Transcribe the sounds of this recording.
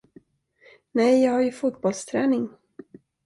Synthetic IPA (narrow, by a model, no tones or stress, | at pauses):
nɛjjɑːɡhaɾjɵfuːt̪̚bɔlst̪ʰɾɛːnɪŋ